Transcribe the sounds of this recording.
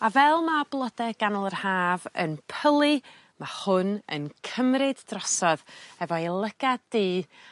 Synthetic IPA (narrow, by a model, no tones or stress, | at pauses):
avɛlˠmablˠɔdɛɡ̥anɔlˠərhaːvə̰npʰəlˠɨ | mahʊnə̰nkʰəmɾɨdːrɔsɔðɛvɔilˠəɡ̥adiː